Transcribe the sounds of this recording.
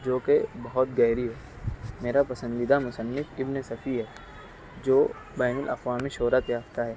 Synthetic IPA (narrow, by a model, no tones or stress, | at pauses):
d͡ʒoːkebɐɦʊt̪̚ɡɛːɾiɦɛː | meːɾapɐsə̃nd̪id̪amʊsənːɪfɪbnesɐfʰiɦɛː | d͡ʒoː | bɛːnɪlʔɐ̰qwaːmiʃoːɾat̪jaːft̪aɦɛː